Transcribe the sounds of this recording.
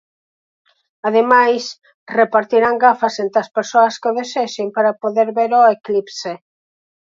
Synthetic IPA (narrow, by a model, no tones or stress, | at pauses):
að̞emajs | repaɾt̪iɾaŋɡafɐsent̪eɐspeɾsoɐskoðeseʃempaɾapoðeɾβeɾoeklipse